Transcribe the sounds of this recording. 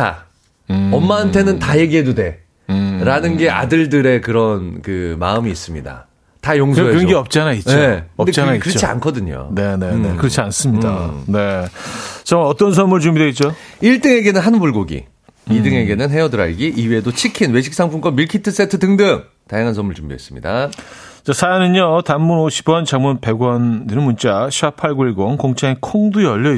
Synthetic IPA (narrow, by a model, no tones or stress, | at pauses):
a̰ | ʌmːaɦantʰe̞nɯntaje̞ɡiɦe̞dode̞ | ɾanɯnɡe̞a̰dɯɭdɯɾe̞kɯɾʌnkɯma̰ɯmiːs͈ɯmɲida̰ | tajoŋsoejʌŋɡiʌp̚t͡ɕ͈anaioe̞kɯdenakɯɾʌt͡ɕia̰nkʰʌdɯɲo̰ne̞neekɯɾʌt͡ɕʰians͈ɯmɲida̰ne̞ | t͡ɕamʌt͈ʌns̬ʰʌmuɭt͡ɕumidweit͡ɕ͈o | iɭt͈ɯŋe̞ɡe̞nɯnɦanubuɭɡoɡḭ | idɯŋe̞ɡe̞nɯnɦe̞ʌdɯɾa̰ɭɡiʔiwedot͡ɕʰikʰinwe̞ɕ̬ʰiks͈aŋpʰunɡʌmiɭkʰitʰɯs͈e̞tʰɯtɯŋdɯŋ | tajaŋɦans̬ʰʌmuɭt͡ɕuŋbidwḛs͈ɯmɲḭda̰ | t͡ɕasʰanɯɲotamːunoɕʰi̥bwʌnt͡ɕaŋmunpe̞ɡwʌndɯnɯnmunt͡ɕ͈aɕʰiapʰaɭɡuiɭɡʌnkoŋt͡ɕʰaŋekʰoŋdujʌʎːʌ